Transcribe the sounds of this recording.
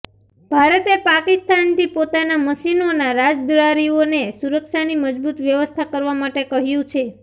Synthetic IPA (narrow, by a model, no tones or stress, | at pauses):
b̥ʱaɾət̪epakist̪ant̪ʰipot̪anaməʃinonaɾad͡ʒd̪ɾaɾionesuɾəkʃaniməd͡ʒbut̪ʋjəʋəst̪ʰakəɾʋamaʈekəɦjũt͡ʃʰe